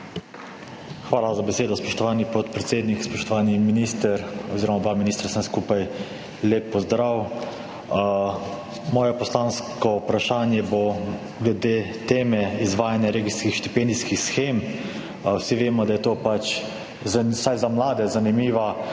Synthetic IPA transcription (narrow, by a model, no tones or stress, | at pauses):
xʋaːlazabɛseːd̪ɔspɔʃt̪ɔʋaːnipɔt̪pɾɛt̪seːd̪nikspɔʃt̪ɔʋaːniminiːst̪əɾɔziːɾɔmabaːminiːst̪ɾsənskuːpaj | leːpːɔzd̪ɾaw | mɔːjɛpɔslaːnskɔupɾaʃaːnjɛbo | ɡlɛd̪eː | t̪eːmɛizʋaːjanjaɾeːɡiskixʃt̪ipɛnd̪iskixsxeːm | wsiʋeːmɔd̪ajɛt̪oːpat͡ʃ | zsajzamlaːd̪ɛzanimiːʋa